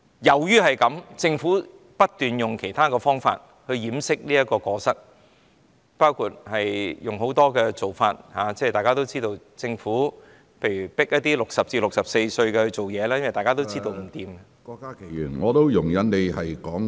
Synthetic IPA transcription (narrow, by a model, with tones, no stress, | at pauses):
jɐ˨˩wjyː˥hɐ˨jkɐ˨˧˥mt͡sɪ˧ŋfuː˨˥ | pɐ˥t̚t̪yː˨njʊ˨ŋkʰe˨˩jt̪ʰaː˥kɔː˧fɔː˥ŋfa̰ː˧t̚ | hɵ˧ɥjiː˨˥msɪ˥k̚liː˥ɐ˥t̚kɔː˧kɔː˧sɐ˥t̚ | paː˥wkʰuː˧˩t̚hɐ˨jjʊ˨ŋɦo˨˥wt̪ɔː˥kɛː˧t͡so˨wfa̰ː˧t̚haː˨˧t͡sɛː˥˨t̪aː˨jkaː˥t̪o˥wt͡siː˥t̪o˧w | t͡sɪ˧ŋfuː˨˥ | pʰe˧jɥy˨˩pɪ˥k̚jɐ˥t̪iː˥lʊ˨k̚sɐ˨p̚t͡siː˧lʊ˨k̚sɐ˨p̚se˧jsɵ˧ɥkɛ˧hɵ˧ɥt͡so˨wjɛː˨˧laː˥jɐ˥nwɐ˨jt̪aː˨kaː˥t̪o˥wt͡siː˥t̪o˧wm̩˨˩t̪iː˧mɛ | kɔː˧kːaː˥kʰe˨˩jyː˨˩nŋɔː˨˧t̪o˥wjʊ˨˩ŋjɐ˨˥nne˨˧jhɐ˨jkɔː˨˥ŋ